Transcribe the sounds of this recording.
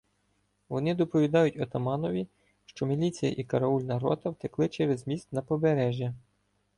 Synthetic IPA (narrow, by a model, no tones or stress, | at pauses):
ʋɔnɪd̪ɔpɔʋʲid̪ɑjʊtʲɔt̪ɐmɑnɔʋʲi | ʃt͡ʃɔmʲilʲit͡sʲijɐ̰ʔikɐɾɐulʲnɐɾɔt̪ɐwt̪ɪklˠɪt͡ʃɛɾɛzmʲist̪nɐpɔbeɾɛʒʲjɐ